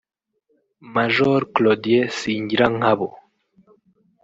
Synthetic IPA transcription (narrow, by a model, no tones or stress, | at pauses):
maʒoɾklod̪ijesiːɲɟiɾaŋ̥haβo